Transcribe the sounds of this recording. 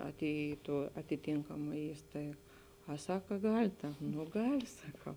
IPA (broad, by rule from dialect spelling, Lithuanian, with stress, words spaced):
ɐˈtʲeːjɪ ɪ tuɔ ɐtʲɪˈtʲeːŋkɐmɐ ˈiːstɐɪk ɐ ˈsɑːkɐ ˈɡɐlʲ tɐ nʊ ˈɡɐlʲ sɐˈkɐʊ